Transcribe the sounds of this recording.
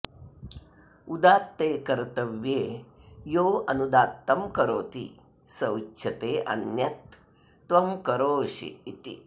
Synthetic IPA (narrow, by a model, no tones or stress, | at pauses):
ud̪aːt̪ːeːkɐɾt̪ɐʋjeːjoːɐnud̪aːt̪ːɐmkɐɾoːt̪ḭ | sɐwt͡ʃʰɐt̪eːʔɐ̰njɐt̪ː | ʋɐmkɐɾoːʃḭit̪ḭ